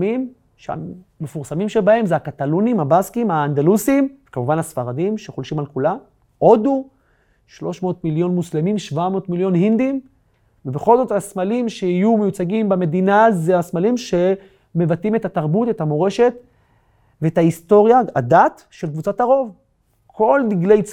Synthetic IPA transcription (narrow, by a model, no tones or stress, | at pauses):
mim | ʃea̰mefuʁsamimʃebahe̞mzeakat̪alunimhabaskimhaːnd̪alusimkamuvanhasfaʁadimʃe̞χolʃimalkulam | ʔo̞d̪u | ʃlo̞ʃmoːt̪miljo̞nmuslemimʃvamo̞ːtmiljo̞nhind̪im | vebeχo̞lzo̞tasmalimʃehijumejut͡saɡimbame̞d̪inazeasmalimʃe̞ | me̞vatime̞tataʁbute̞tamo̞ʁe̞ʃe̞t̪ | veetaisto̞ʁjaadat | ʃelkvut͡sataʁo̞v | kʰo̞ldiɡle̞jt͡s